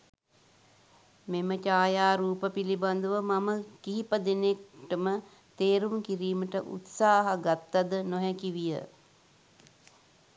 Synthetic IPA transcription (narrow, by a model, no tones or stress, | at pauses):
memət͡ʃaːjaːɾuːpəpiliband̪uʋəmaməkiɦipəd̪enek̚ʈəmə | t̪eːɾuŋkiɾiːməʈəʔṵt̪saːɦaɡat̪ːad̪ənoɦɛkiʋijə̰